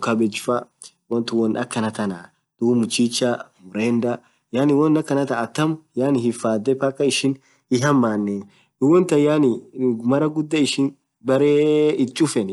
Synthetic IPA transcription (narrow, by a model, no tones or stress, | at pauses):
kɐbɛd͡ʒɪfɐ | wɔnt̪ʊwɔnʔɐkːɐnɐt̪ɐnaː | d̪̥uːmʊt͡ʃːit͡ʃːamʊɾeːnd̪ɐ | jaːnɪwɔnːɐkːɐnɐt̪ɐːt̪ːɐmjaːnɪhɪfːaːd̪ːɛpɐkʼːɐɪʃɪn | ɪɦɐmːaːnːɛ | dʊwɔnt̪ɐjanɪmɐɾɐɡʊd̪ːɐɪʃɪn | bɐɾeːɪt͡ʃʼːʊfɛn